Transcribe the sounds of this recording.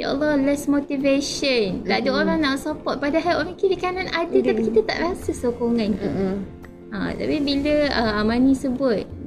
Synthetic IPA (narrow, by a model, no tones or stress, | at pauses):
ja̰ʔa̰lɔlɛsmot̪iveʃəndadəoɾaŋnãʔsapɔt̪̚padaɦɛlɔfikiwikɛnɔt̪adət̪apikit̪at̪a̰ʔɾasəsokoŋãn | ʔã̰t̪a̰pibiləəamãnĩsəbʊt̪̚